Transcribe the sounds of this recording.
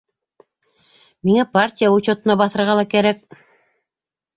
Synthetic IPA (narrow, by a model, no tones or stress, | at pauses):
miŋæpartʲijaut͡ɕot̪ɤ̆nɑbɑθɤ̆ɾʁɑlˠɑkæɾæk̚